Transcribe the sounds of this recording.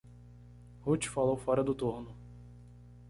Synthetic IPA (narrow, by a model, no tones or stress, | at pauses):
hut͡ʃɪ̥falowfɔɾɐd̪ʊt̪uɾnʊ